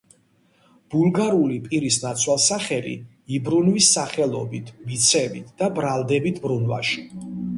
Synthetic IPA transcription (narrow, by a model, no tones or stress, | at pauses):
b̥ulˠɡaɾulipʼiɾisnat̪sʰwalˠsaχɛlḭ | ibɾunwisːaχɛlˠɔ̰bit̪ʰvit̪sʰɛbit̪ʰd̪̥abɾalˠd̪ɛbit̪ʰbɾunva̰ʃi̥